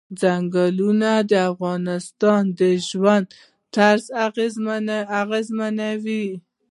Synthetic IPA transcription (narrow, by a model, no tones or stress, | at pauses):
d͡zaŋɡalunad̪əafɣɑnɪst̪ɑnd̪əʒwand̪ | t̪aɾzaɣezmaaɣezmanawi